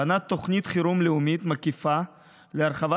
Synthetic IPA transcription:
anat̪ːoχnit̪χiɾumleumit̪makifa | leaɾχava

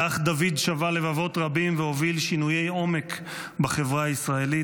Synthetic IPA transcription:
aχd̪avid̪ʃavale̞vavo̞tʁabimveo̞vilʃinuje̞jo̞me̞k | baχe̞vʁaisʁae̞li

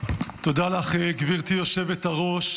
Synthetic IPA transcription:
t̪od̪alaχeɡviʁt̪ijo̞ʃe̞vet̪aʁo̞ʃ

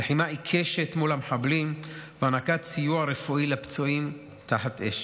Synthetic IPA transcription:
leħimaʔikʰeʃetmulameħablimveanakat͡sijuaɾefuʔilapt͡soim | t̪aħatʔḛʃ

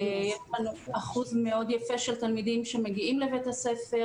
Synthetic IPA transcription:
jeʃlanuaχuzmeo̞d̪jafeʃelt̪almid̪imʃemeɡiimlevet̪hasefe

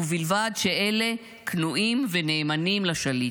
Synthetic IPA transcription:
uvilvad̪ʃeʔe̞le̞ | knuʔimvene̞ːmanimlaʃali

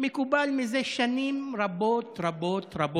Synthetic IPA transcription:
mekubalmizeʃanimɾabot̪ɾabot̪ɾabo

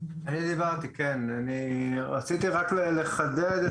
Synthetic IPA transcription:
anid̪ivaʁt̪ikenaniʁat͡sit̪iʁakleleχad̪ed̪

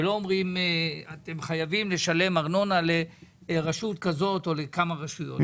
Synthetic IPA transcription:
lo̞omʁimat̪e̞mχajavimle̞ʃale̞maʁno̞nale̞ | ʁaʃutkazo̞to̞lekamaʁaʃujo̰t

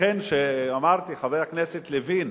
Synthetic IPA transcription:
enʃeamaʁt̪iχavejhaknɛset̪levin

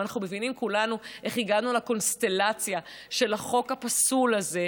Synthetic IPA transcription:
naχnume̞vinimkulanuʔe̞χiɡadnulako̞nst̪e̞lat͡sja | ʃe̞laχo̞khapasulaze̞

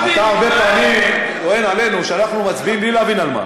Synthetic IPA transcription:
at̪aːʁbe̞peamim | toe̞nale̞nuʃeanaχnumat͡sbiimlileavinalma̰

